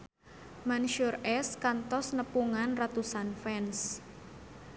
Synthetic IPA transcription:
manʃɔrʔɛskant̪ɔsnəpuŋanrat̪usanfɛns

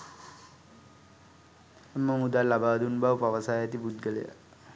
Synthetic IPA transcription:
emːəmud̪alabaːd̪unbawpaʋəsajat̪ibud̪̚ɡələja̰

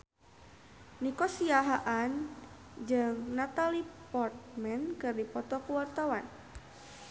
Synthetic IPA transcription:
nikɔsiaɦaʔan | d͡ʒɨŋnat̪alipɔrt̪̚mɛnkɨrdipɔt̪ɔkuwart̪awan

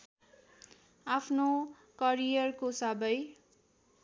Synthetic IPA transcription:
apʰno | kʌrijʌrkosabʌj

